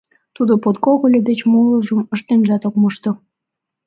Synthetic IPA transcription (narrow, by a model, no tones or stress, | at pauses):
t̪ud̪opot̪̚koɣolʲed̪et͡ɕmoləʒəməʃt̪enʒɑt̪okmoʃt̪o